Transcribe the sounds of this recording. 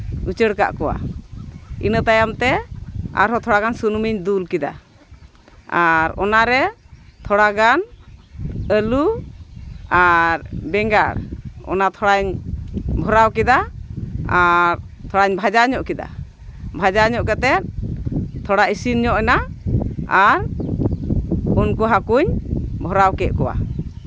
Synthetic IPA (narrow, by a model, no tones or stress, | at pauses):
ut͡ʃəɽka̰ʔkɔwa̰ | ḭnət̪ajamt̪ɛa̰ɾɦɔt̪ʰɔɽaɡansunmiɲd̪ulkid̪a̰ | aɾɔnaɾɛt̪ʰɔɽaɡan | əlu | aɾbɛŋɡaɽɔ̰nat̪ʰɔɽaɲ | bʱɔɾawkɛd̪a | aɾ | t̪ʰɔɽaɲbʱad͡ʒaɲɔʔkɛd̪a̰ | bʱad͡ʒaɲɔʔkat̪ɛt̪̚t̪ʰɔɽaisinɲɔʔɛna | aɾ | unkɔɦakuɲbʱɔɾawkɛʔ̪̚kɔwa̰